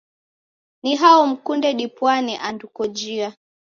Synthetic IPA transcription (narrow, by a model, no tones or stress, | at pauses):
niɦaɔm̩kundɛɗipwaniʔandukɔd͡ʒia